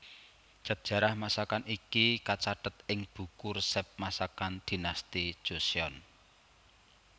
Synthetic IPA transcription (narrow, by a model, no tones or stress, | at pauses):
d̥ʒ̥a̤p̚dʒ̥ä̤ɾahmasakanikikat͡ʃaɖ̥ə̤t̪̚ɪŋb̥ṳkʊrsɛp̚masakand̪̥i̤nast̪id̥ʒ̥o̤sjɔn